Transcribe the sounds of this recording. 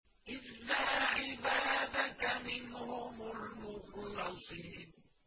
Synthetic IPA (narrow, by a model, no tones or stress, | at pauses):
ʔɪlːaːʕɪbaːd̪akamɪnhʊmʊlmʊxlɑsˤiːn